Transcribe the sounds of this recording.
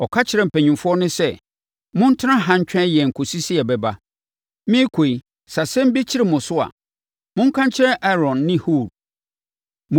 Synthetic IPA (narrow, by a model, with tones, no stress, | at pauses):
ɔ˨kʰa˦t͡ɕʰɪ˨ɾɛ˨m̩˨pʰɛ̃˨ɲɪ̃˨mfʊ˦ɔ˦nʊ̃˦sɛ˦ | mʊ̃˦n̩˦tʰɪ˦ã˦ɦã˨ɲ̩˦t͡ɕᶣɛ̃˦jɛ˨ŋ̩˨kʰo˨si˦si˦ɛ˨bɛ˨ba˦ | mɪ̃˦kʰo˨i˨ | sa˨sɛ̃˦m̩˦bi˦t͡ɕʰɪ˦ɾɪ˨mʊ̃˨sʊ˦a̰˨ | mʊ̃˦ŋ̩˦kʰã˦ɲ˦t͡ɕʰɪ˦ɾɛ˦ʔɛ˦ɾɔ̃˨nːɪ̃˦hu˦˨ɾ | m̃˦